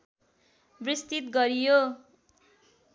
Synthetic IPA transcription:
brist̪it̪̚ɡʌɾijo

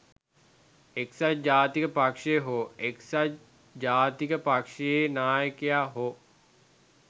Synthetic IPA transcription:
eksad͡ʒaːt̪ikəpakʂeɦoeksa | d͡ʒaːt̪ikəpakʂejenaːjəkejaːɦo

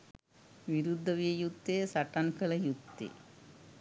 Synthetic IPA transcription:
ʋiɾud̪ʱːɐʋijɐjut̪ːesɐʈːɐnkɐɭɐjut̪ːḭ

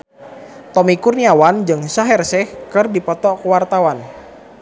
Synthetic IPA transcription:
t̪ɔmikurniawand͡ʒɨŋsaɦɛrsɛhkɨrdipɔt̪ɔkuwart̪awan

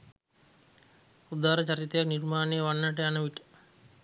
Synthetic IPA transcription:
ud̪aɾət͡ʃaɾit̪əjaknirmaːnejəʋanːaʈ̬eanəʋiʈə̥

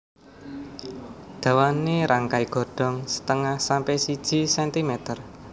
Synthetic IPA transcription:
d̪̥ä̤waneɾaŋkaiɡ̥ɔ̤ɖ̥ɔ̤ŋsə̥t̪əŋahsampɛsid̥ʒ̥i̤sɛnt̪imɛt̪ər

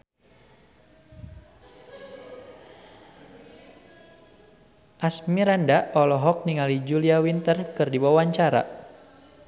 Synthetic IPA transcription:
ʔasmiɾandaʔɔlɔɦɔk̚niŋalid͡ʒuliawint̪ərkɨrdiwawaɲt͡ʃaɾa̰

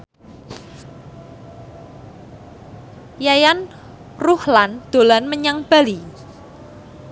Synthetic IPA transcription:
jajan | ruhland̪̥o̤lanməɲaŋb̥a̤li

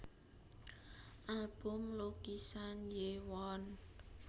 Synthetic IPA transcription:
ʔalb̥ʊmlokisanjewɔn

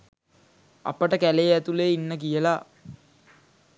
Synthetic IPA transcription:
a̰pəʈəkælejæt̪uleːinːəkijəla

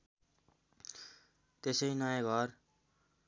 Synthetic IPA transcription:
t̪esʌinʌjãɡʱʌr

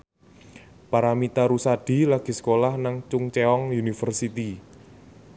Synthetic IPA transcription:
paɾamit̪aɾusad̥i̤laɡ̥i̤sə̥kolahnaŋt͡ʃʊŋt͡ʃeɔŋjunifərsit̪i

